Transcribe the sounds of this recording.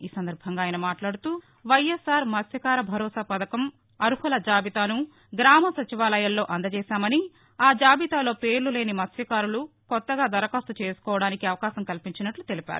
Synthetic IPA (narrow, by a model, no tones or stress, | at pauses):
iːsɐnd̪ɐɾbʱɐŋɡaːjɐnɐmaːʈlaːɽut̪uː | ʋɐjesaːɾmɐsjɐkaːɾɐbʱɐɾɔːsaːpɐd̪ɐkɐm | ɐɾuhɐlɐd͡ʒaːbit̪aːnu | ɡɾaːmɐsɐt͡ʃiʋaːlɐjɐllːo̞ːʔɐnd̪ɐt͡ʃɛːsaːmɐni | aːd͡ʒaːbit̪aːlo̞ːpe̞ːɾlule̞ːnimɐsjɐkaːɾulukɔt̪ːɐɡaːd̪ɐɾɐkaːst̪ut͡ʃe̞ːsu̥kɔːʋɐɽaːnikiɐʋɐkaːsɐmkɐlpiɲt͡ʃinɐʈlut̪elipʲa̰ːɾu